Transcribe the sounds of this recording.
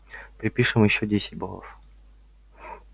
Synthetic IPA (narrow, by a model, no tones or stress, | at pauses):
pɾʲɪpʲiʂɨmjɪɕːodʲesʲɪ̥t̚ʲbo̰lˠə̰f